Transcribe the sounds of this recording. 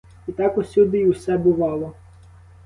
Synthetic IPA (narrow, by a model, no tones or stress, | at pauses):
it̪ɑkʊsʲud̪ɪwsɛbʊʋɑlˠɔ